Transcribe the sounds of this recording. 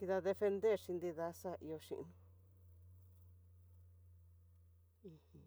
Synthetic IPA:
ki˧ða˧ðe˧fe˧nd̪e˦˨ɾʃi˧nd̪i˧ða˧˦sa˦ʔḭ˧o˧ʃḭ̃˧ʔnũ˧ | ĩ˧hĩ˧

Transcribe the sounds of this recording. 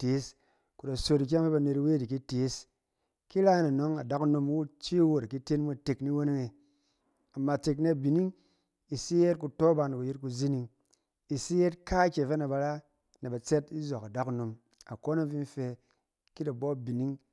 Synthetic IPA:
te˨˦s | ku˨da˨so˧ti˨˧k̬ʲa˦ŋfe˦ba˧ne˧twe˦di˨k̬i˦te˨˦s | ki˦ɾa˦na˨no˦ŋa˨da˦ku˦no˧m˦wu˦t͡ʃi˦wo˨ɾa˨ki˦te˦nmu˦˨te˨kni˦wo˦n˦we˨ | a˨mːa˨t͡ʃe˨k̬ne˦˨bi˨ni˦ŋ | i˨si˦je˦t̚ku˧to˦ba˧na˨ku˨ji˦t̚ku˧zi˦ni˧ŋ | i˨si˦je˦tka˦kʲe˨fe˦na˨ba˧ɾa˦ | na˨ba˨t͡se˦ti˦zo˨ka˨da˦kno˨m | a˨ko˦na˦vi˦n̩˦fe˧ | ki˦da˨bo˦˨bi˨ni˦ŋ

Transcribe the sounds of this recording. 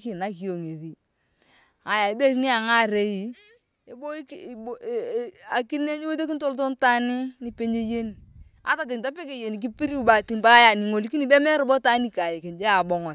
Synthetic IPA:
ki˨na˦ki˨o˨ŋe˨ði˨ | a˨ja˨i˨be˦˨ɾni˦a˨ŋa˦˨ɾe˨˦i˨ | e˦bo˦˨ | a˨ki˦ne˦ɲi˦wo˦te˦k̬i˦nto˦lto˦n˦ta˦nɪ˦ni˨pe˦ɲe˦je˦ni˨ | a̰˨ta˨t̬ɪ˨ŋta˦pe˦ke˨je˨ni˨k̬i˦pi˦ɾi˦u˦˨ba˨ti˨ŋba˦ja˨ni˨ŋo˨li˦ki˦ni˨bɛ˦mɛ˦ɾʊ˨bɔ˦ta˦ni˦ka˨je˨ke˨nd͡ʒɛ˦a˨bɔ˨ŋɔ˨n

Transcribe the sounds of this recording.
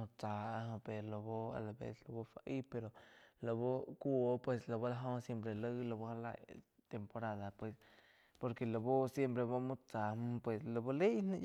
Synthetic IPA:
t͡sa˨a˧ɦõ˧pe˨ɾlo˨bo˦a̰˨la˨bḛ˧slo˧bo˦˧fa˧ʔi˦pe˧ɾo˨lo˨βo˦ku˦o˦pwe˧slo˨bo˦la˧ɦo˦sje˦mpɾe˧lə˦lo˧˨bo˧ha˧la̰˧˨j | t̪e˨mpo˧ɾa˧d̪a˨pwe˧s | po˧ɾke˨lo˨bo˦sje˦mpɾe˧βo˦mu˦t͡sa˨m˦pwe˧slo˧bo˦le˦nã˦˧

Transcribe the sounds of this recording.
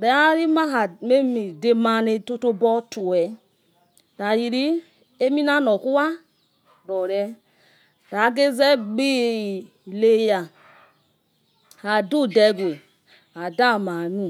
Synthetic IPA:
ɾɛ˨˦a˦ɾi˦ma˦ɦa˨me˦mi˨de˧ma˧ne˧to˦to˦bɔ˦tu˨wɛ˨ | ɾa˨ji˧ɾi˦ | e˦mi˦na˦nɔ˨ku˦wa˦ | ɾɔ˨ɾɛ˧˦ | ɾa˨˦ɡe˦zɛ˦ɡ͡bi˦˨ | le˦ja˨ | ha˨du˦˨dɛ˧ɡʷe˨ | a˨da˦˨ma˨nu˦˨

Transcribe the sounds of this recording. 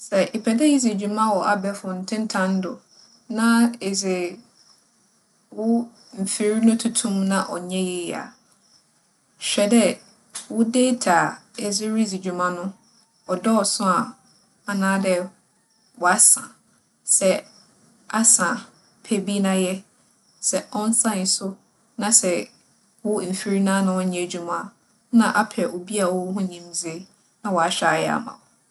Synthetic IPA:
sɛ˨ʔe˨pʰɛ˨dɛ˦ji˦zi˨d͡ʑᶣu˨mã˦wɔ˨ʔa˨bɛ˨˦fʊ˨n̩˨tʰɪ̃˦n̩˦tʰã˦n̩˦dʊ̰˨ | nã˦e˨zɪ˨ | wʊ˦ | m̩˨fi˨ɾi˦nʊ̃˦tʰʊ˦tʰũ˦mnã˦ʔɔ̰˨ɲɛ̃˦jɛ˨a̰˨ | ɕᶣɛ˨dɛ˦ | wʊ˦de˦tʰa˨ɛ˨zɪ˦ɾi˦zi˨d͡ʑᶣu˨mã˦nʊ̃˦ | ɔ˨dɔ˦ɔ˨sʊ̃˦a˨ | a˨nãː˦dɛ˦ | wɔ˨a˦sã˨ | sɛ˦ | a˦sã˨ | pʰe˦˨bi˦nã˦jɛ˦ | sɛ˨ʔɔ̃˦n˦sã˦˨n˨sʊ˦ | nã˨sɛ˨ | wʊ˦m̩˨fi˦ɾi˦nãː˦nʊ̃˨wʊ˦ɲĩ˨d͡ʑᶣu˨mã˨ | nã˨ʔa˦pʰɛ˨ʔo˨bi˦a˨wʊ˦ɦʊ̃˦ɲĩ˦md͡zɪ˦ | nã˨wɔ˨a˨ɕᶣa˨jɛ˦a̰˦mã̰˨w

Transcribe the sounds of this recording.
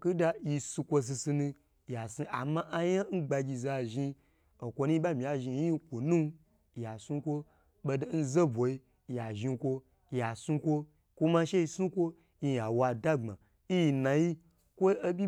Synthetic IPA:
ku˦da˧ji˧su˧kʷo˧s̬i˧si˧nũ˧ | ja˨si˧ʔa˨mã˦ʔa˧ja˦n̩˦ɡ͡ba˧ɡʲi˧za˧˨ʒi˧ | o˨kʷo˧nũ˦i˦ɓa˦mi˨ja˨ʒi˧˨ji˦i˧kʷo˨nũ˦˨ | ja˨su˧kʷo˦ | ɓo˧do˨n̩˦ze˦bʷo˨i˧˨ | ja˨ʒi˧kʷo˧˨ | ja˨su˧kʷo˧ | kʷo˦ma˧ʃe˦i˧su˦kʷo˦ | ji˧ja˨wa˧da˦ŋ͡mã̰˨ | i˦ji˧na˨ji˦ | kʷo˦o˦bʲi˦

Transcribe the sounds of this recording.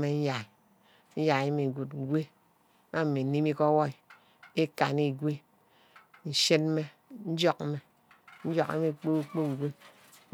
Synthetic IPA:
me˨n̩˦ja˨i˨ | n̩˦ja˨e˦mi˨ɡu˨tŋ̩˨ɡʷe˦ | ma˦m̩˨me˨ni˦mi˦kɔ˦wɔ˦i˨ | e˦ka˨ni˦˨ɡʷe˦ | n̩˦ʃe˦t̚me˦ | n̩˦d͡ʒɔ˦kme˨ | n̩˦d͡ʒɔ˦kḛ˦me˦˨k͡po˦k͡po˦˨ɡʷe˦

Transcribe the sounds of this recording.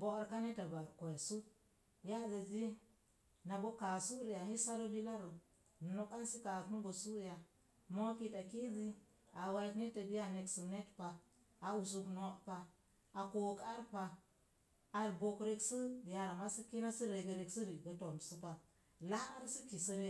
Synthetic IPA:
bo˦ɾka˦ne˦ta˨ba˨ɾko˨jsu˦ | ja˦za˨zi˦ | na˨bo˦ka˨su˦ɾi˨ja˨hi˦sa˦ɾo˦li˦la˦ɾo˨ | no˨ka˦nsi˦ka˨tnu˦ɡo˨su˦ɾja˨ | mo˦ki˦ta˨ki˦zi˦ | a˨wa˨˦tni˦ta˨bi˦ja˦ne˨ksu˨ne˦tpa˨ | a˨u˨s̬u˨kno˨pa˨ | a˨ko˨ka˦ɾpa˨ | a˨ɾɡo˨kɾe˦ksə˦ja˨ɾa˨ma˦si˦ki˦na˦si˦ɾe˨ɡə˨ɾe˨ksi˦ɾi˨ɡa˨to˨msu˦pa˨ | la˦ɾsi˦ki˨sə˦ɾe˦

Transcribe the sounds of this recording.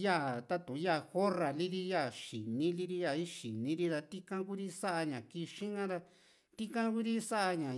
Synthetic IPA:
ja˦˨t̪a˦t̪ũ˨˦ja˦˧˨xo˦ra˨li˦ɾi˦ja˦˨ʃi˨nĩ˦li˦ɾi˦˧ja˦˧˨i˦ʃi˨nĩ˨˦ɾi˦t̪a˧t̪i˦kã˦ku˦ɾi˦sa˦ʔa˧ɲã˨ki˧ʃĩ˦ŋã˦ða˧ | t̪i˦kã˦ku˦ɾi˦sa˦ʔa˧ɲã˨

